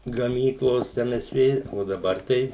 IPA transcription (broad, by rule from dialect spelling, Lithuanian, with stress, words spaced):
ɡɐˈmʲiːklˠoːs ˈɛm ˈɛs ˈʋʲeː oː dɐˈbɐr ˈtɐɪ